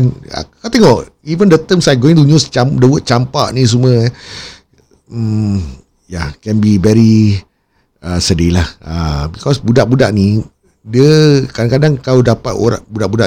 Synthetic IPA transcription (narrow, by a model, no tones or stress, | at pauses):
na̰kat̪eŋɔʔ | ivəndət̪əmsajɡoĩnt̪̬uɲust͡ʃamdəwət̪̚t͡ʃampa̰ʔnis̬umə | m | jakɛnbivɛɾi | əsədilahabikɔsbudaʔbudaʔni | diəkadaŋkadaŋkawdapat̪o̰ɾa̰ʔbudaʔbuda̰ʔ